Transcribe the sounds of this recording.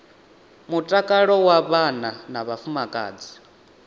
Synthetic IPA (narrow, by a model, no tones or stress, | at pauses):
mutʼakʼaɺɔwaβananaβafumakʼa̰ːd͡zi̥